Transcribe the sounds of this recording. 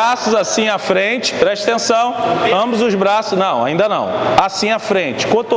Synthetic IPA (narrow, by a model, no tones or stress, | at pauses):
asʊzasĩafɾẽt͡ʃɪ̥pɾɛʃt̪ẽsɐ̃w̃ɐ̃bɐzʊzbɾasʊʃnɐ̃w̃a̰ĩnd̪ɐnɐ̰̃w̃asĩafɾẽnt͡ʃɪ̥kõt̪o